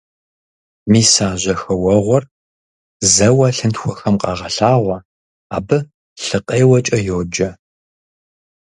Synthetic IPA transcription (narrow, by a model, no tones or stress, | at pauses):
miːsaːʑɐxɐwɐʁʷɔr | zɐwɐɬɨntxʷɔxɐmqɑ̰ːʁɐɬaːʁʷɐ | a̰ːbɨ | ɬɨqʼejwɐt͡ʃʼɐjoːd͡ʒɐ